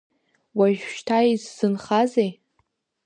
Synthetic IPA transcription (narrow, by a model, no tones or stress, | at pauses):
waʒᶣʃtʰajizːɨnχazej